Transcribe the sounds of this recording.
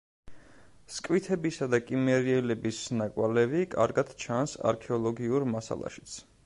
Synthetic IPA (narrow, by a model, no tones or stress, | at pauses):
skʼwit̪ʰɛbisad̪akʼimɛɾiɛlɛbisnakʼwalɛvikʼa̰ɾɡad̪̥t͡ʃʰansa̰ɾkʰɛɔlˠɔɡiuɾmasa̰lˠa̰ʃi̥t̪sʰ